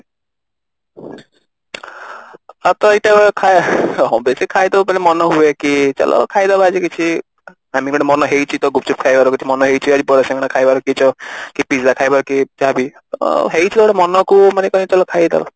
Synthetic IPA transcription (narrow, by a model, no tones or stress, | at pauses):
at̪ɔejʈabɔɔkʰaɦɔbesikʰajd̪abɔpalemɔnɔɦuekit͡ʃɔ̰lʔɔ̰kʰajd̪abaːd͡ʒikit͡ʃʰi | amikɔɽ̃emɔnɔɦejt͡ʃʰit̪ɔɡup̚t͡ʃʰup̚kʰajbaɾɔkit͡ʃʰimɔnɔɦejt͡ʃʰiad͡ʒipɔɾeseŋɡɔɽ̃akʰajbaɾɔkit͡ʃɔkipisd̪akʰajbaɾɔkid͡ʒabi | ɦejt͡ʃʰid̪ɔɔɽemɔnɔkumanekɔnet͡ʃɔlɔkʰajd̪a̰bɔ̰